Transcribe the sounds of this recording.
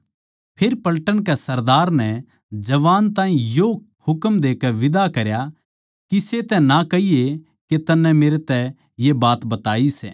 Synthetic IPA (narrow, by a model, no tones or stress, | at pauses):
pʰeɾpɐlʈəɽkɛsɐɾd̪aːɾnɛ | d͡ʒɐʋaːnt̪ãːĩjo | hʊkəmd̪eːkɛʋɪd̪akɐɾja | kiset̪ɛ̃nakɐije | ket̪ɐnːɛ̃meːɾet̪ɛ | jebaːt̪bɐt̪aːisɛ̰ː